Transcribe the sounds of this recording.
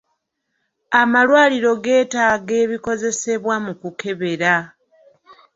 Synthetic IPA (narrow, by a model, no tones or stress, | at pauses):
amalwaːliɾo̞ɡe̞ːtaːɡe̞ːβiko̞ze̞se̞βwamukuke̞βe̞ɾa